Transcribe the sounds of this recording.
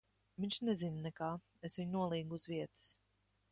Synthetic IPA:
viɲʲʃnɛzinnɛkaː | esvʲiɲnuɔlˠiːɡuuzviɛt̪ɨ̥s

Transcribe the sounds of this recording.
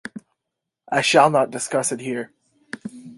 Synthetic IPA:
ʔaɪʃəlˠnət̚d̥ɨskʌsɨt̚hiɹ

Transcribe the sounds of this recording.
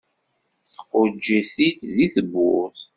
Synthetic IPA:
θə̥qːʊd͡ʒːæθit̪ðiθəbːʊθ

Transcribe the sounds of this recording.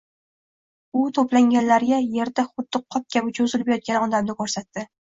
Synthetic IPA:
ʊt̪ʰoplaŋʲanlaɾɡʲaje̞ɾd̪aχʊd̪ːɨqʰːɒp̚kʲabɪt͡ʃʰozɪlbjɒt̪̚kʲanɒd̪amnɪkʰoɾsat̪ːɪ

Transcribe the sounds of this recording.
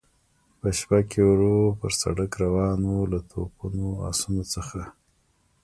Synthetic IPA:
pəʃpakewɾopəɾsa̰ɽəkɾawɑnolat̪ʰopunoa̰sunot͡səxa

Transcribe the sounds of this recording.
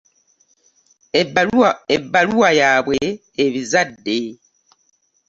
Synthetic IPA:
ebːaluwajaːβweː | βizadːe̞

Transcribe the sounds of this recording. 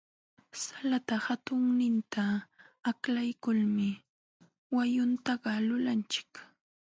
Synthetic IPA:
salat̪ahat̪ʊŋnɪnt̪ʰaː | klajkʊlmɪ | wajʊnt̪ɑɢɑlʊlant͡ʃɪ̥k

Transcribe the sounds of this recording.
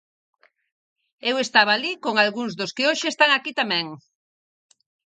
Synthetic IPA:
ewest̪aβaalikoŋalɣuŋzðʊskeoʃeːst̪aŋakit̪amɛ̃ŋ

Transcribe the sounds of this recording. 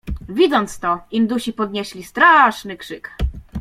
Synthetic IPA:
vʲid̪zɔnt̪st̪ɔind̪uɕipɔd̪ɲɛɕlʲist̪ɾaʂnɘkʂɘk

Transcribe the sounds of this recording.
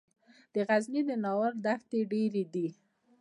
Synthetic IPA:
d̪̥əɣaznid̪ənɑwəɾd̪axt̪eɖeɾed̪i

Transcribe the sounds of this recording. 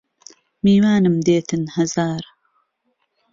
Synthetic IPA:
miːwaːnɨmd̪eːt̪ʰɨnhɐzaːɾ

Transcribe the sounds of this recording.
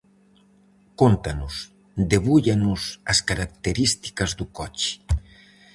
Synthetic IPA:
kont̪anus | d̪eβuʎanusaskaɾak̚t̪eɾist̪i̥kazd̪ukɔt͡ʃi̥

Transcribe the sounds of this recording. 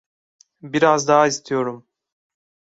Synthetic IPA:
biɾazd̪aɦaist̪ʰijo̞ɾum

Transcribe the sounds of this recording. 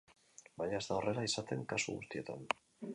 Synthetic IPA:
baɲae̞zt̪aorelaisat̪e̞ŋkasṵɣṵst̪ie̞t̪a̰n

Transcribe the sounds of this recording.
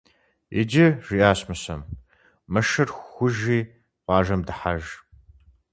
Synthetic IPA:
ɪ̰d͡ʒɪʒ̥iːʔaːɕmɨɕɐm | mɐʃɐrxxʷʊʒiː | qɑːʒɐmdɨħaʒ

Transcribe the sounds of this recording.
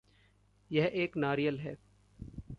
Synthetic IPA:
jɛɦeːknaːɾijəlɦɛː

